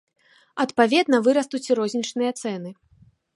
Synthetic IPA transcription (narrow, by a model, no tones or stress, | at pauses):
ɐt̪pavʲɛd̪nɐvɨɾɐst̪ut͡sʲɾɔzʲnʲit͡ʂnɨjɐt̪sɛnɨ